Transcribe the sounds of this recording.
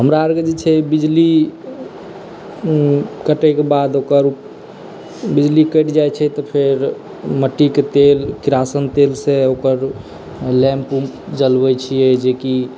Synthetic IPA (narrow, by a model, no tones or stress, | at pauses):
ɦəmɾaəɾked͡ʒet͡ʃʰɛbid͡ʒli | kəʈɛkebad̪okəɾup | bid͡ʒlikəʈd͡ʒajt͡ʃʰɛt̪ɔpʰeɾ | məʈːiket̪elkiɾasənt̪elseokəɾ | lɛ̃mpumpd͡ʒəlbət͡ʃʰijɛd͡ʒeki